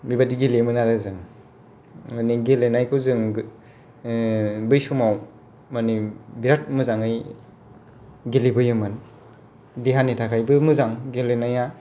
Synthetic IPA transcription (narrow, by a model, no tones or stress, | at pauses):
bibadiɡilimɯnaɾɯzɯŋ | maniɡelenajkʰɯwzɯŋ | bɯjsumaw | manibiɾat̚mɯzaŋɯj | ɡelibɯjɯmɯn | diɦanetʰakʰajbɯmɯzaŋɡelenaja